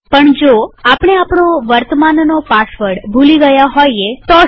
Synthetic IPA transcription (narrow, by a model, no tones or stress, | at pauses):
pəɳd͡ʒoapəɳ̃eapɳoʋəɾt̪əmannopasʋəɾɽbʱuliɡəjaɦojet̪o